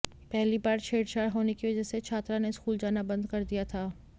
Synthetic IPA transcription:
pɛɦlibaːɾt͡ʃʰeːɽt͡ʃaːɾɦoːnekiʋɐd͡ʒəset͡ʃʰaːt̪ɾãneskuːld͡ʒaːnabɐ̃nd̪kɐɾd̪ijat̪ʰaː

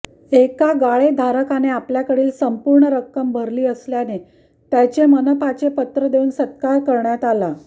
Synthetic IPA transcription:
ekaɡaɭed̪ʱaɾəkaneapljakəɽiːlsəmpuɾɳəɾəkːəmbʱəɾliːəsljane | t̪jat͡ɕemənəpat͡ɕepət̪ɾəd̪euːnsət̪̚kaɾkəɾɳjat̪ala

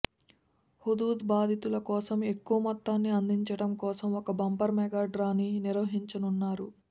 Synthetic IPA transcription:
hud̪uːd̪baːd̪ʱit̪ulɐkɔːsɐme̞kːuʋɐmɐt̪ːaːnːiɐnd̪iɲt͡ʃɐɽɐmkɔːsɐmɔkɐbɐmpɐɾmɛɡaːɖɾaːniniɾʋɐɦiɲt͡ʃɐnunːaːɾu

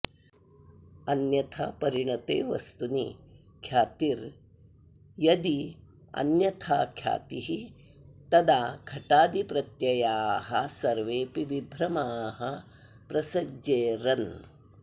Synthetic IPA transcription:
ɐnjɐt̪ʰɐ̰pɐɾiɳɐt̪ḛːʋɐ̰st̪uni | kʰjaːt̪iɾ | jɐd̪i | ɐ̰njɐt̪ʰaːkʰja̰ːt̪iɦi | t̪ɐd̪aːkʰɐʈaːd̪ipɾɐt̪jɐjaːɦɐsɐɾʋeːpiʋibʱɾɐmaːɦɐ | pɾɐsɐd͡ʒeːɾɐn

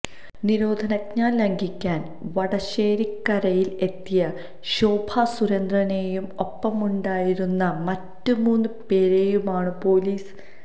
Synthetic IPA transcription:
niɾo̞ːd̪ʱɐnɐkɲaːnlɐŋɡʱikʲːaːn | ʋɐɽɐɕe̞ːɾikːɐɾɐjile̞t̪ːijɐ | ɕoːbʱasuɾɐnd̪rɐnejumopːɐmuɳɖaːjiɾunːɐmɐtːumuːnːɨpe̞ːɾejumaːɳɨpo̞ːliːs

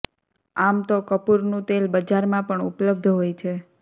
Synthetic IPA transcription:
amt̪okəpuɾnũt̪elbəd͡ʒaɾmãpəɳṵpləb̚d̪ʱɦojt͡ʃʰe

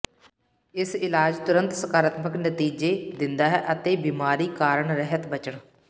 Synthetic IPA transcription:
ɪsɪlaːd͡ʒt̪ʊɾə̃nt̪səkaːɾət̪məknət̪iːd͡ʒeːd̪ɪnd̪aːɦɛːʔət̪eːbiːmaːɾiːkaːɾəɳɾɛɦət̪bət͡ʃəɳ

